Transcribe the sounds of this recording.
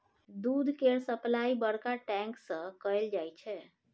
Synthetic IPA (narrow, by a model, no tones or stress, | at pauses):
d̪ud̪ʱkeɾsəplaibəɽkaʈɛ̃ŋksə̃kəjld͡ʒajt͡ʃʰɛ